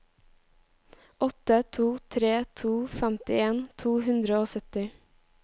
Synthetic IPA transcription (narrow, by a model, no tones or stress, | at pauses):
ʔɔt̪ət̪ʰuːt̪ʰɾeːt̪ʰuːfæmt̪ɪeːnt̪ʰuːhʉnd̪ɾəoːsœt̪ɪ